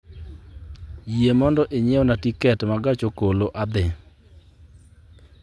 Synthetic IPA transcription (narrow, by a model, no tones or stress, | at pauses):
jiemɔndɔʔeɲeonatikɛtmaɡat͡ʃokoloʔad̪ɪ